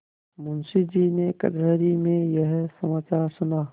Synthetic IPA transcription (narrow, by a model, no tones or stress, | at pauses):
mʊnsid͡ʒinekɐ̰d̪ɾəːɾimẽjəɦsɐmaːt͡ʃaːɾsʊnaː